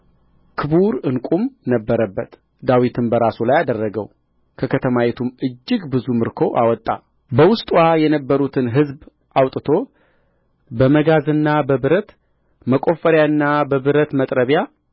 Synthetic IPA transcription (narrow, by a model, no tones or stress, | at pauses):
kʰɨbuɾɨnkʷʼumnəbːəɾəbːət̪ | d̪awit̪ʰɨmbəɾasulajad̪ərːəɡəw | kʰəkʰət̪ʰəmajɛt̪ʰumɨd͡ʒːɨɡbɨzumɨɾkʰo̞ʔawɔt̪ʼːa̰ | bəwʊst̪ʼwajɛnəbːəɾut̪ʰɨnɦɨzb | ʔawt̪ʼɨt̪ʰo̞ | bəməɡazɨnːabəbɨɾət̪ | məkʼo̞fəɾjaɨnːabəβɨɾət̪mət̪ʼɾəβja